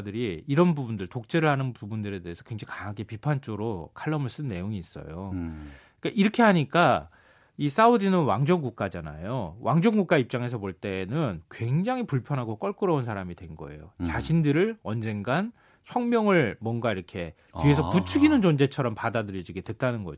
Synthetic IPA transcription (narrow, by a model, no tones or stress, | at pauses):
dɯɾiːɾʌnbubundɯɭtok̚t͡ɕ͈e̞ɾɯɭhanɯnpubundɯɾe̞de̞ːsʰʌkweŋd͡ʑaŋkaaɡepipʰant͡ɕ͈oɾokʰaɭːʌmɯɭs͈ɯnːe̞joŋiːs͈ʌ̰jo | ik͈aʔiɾʌkʰe̞ɦaɲik͈a | is͈audinɯnwaŋd͡ʑʌŋɡuk̚k͈ad͡ʑana̰jowʔaŋd͡ʑʌŋɡuk͈aip̚t͡ɕ͈aŋe̞sʰʌpoɭt͈e̞nɯnkwe̞ŋd͡ʑaŋɦipuɭpʰjʌnɦaɡok͈ʌɭk͈ɯɾʌunsʰaɾamidwenɡʌ̰e̞̰jot͡ɕaɕʰindɯɾɯɭʌnd͡ʑe̞ŋɡan | çjʌŋmjʌŋɯɭmwʌnɡaiɾʌkʰe̞ | ie̞sʰʌput͡ɕʰuɡinɯnt͡ɕʌnd͡ʑe̞t͡ɕʰʌɾʌmpadadɯɾjid͡ʑiɡe̞dwe̞t̚t͈anɯnɡʌ̰